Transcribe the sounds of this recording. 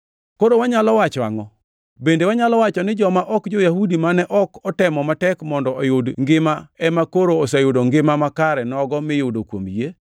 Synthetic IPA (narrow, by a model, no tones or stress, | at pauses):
koɾowaɲalɔwat͡ʃwa̰ŋɔ | bendewaɲalɔwat͡ʃɔnɪd͡ʒɔmaʔɔkd͡ʒojahudimanɛʔɔkɔtɛmɔmatɛkmɔndɔʔɔjodŋɡɪmaɛmakoɾoːsajʊdoŋɡɪmamakaɾɛnɔɡɔmɪjʊdokwomje